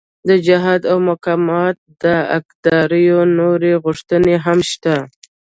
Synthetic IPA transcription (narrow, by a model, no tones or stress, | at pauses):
d̪əd͡ʒaɦɑd̪awmʊkɑmɑt̪̚d̪əa̰kd̪ɑɾəjonoɾeɣʊʂt̪əneɦamʃt̪a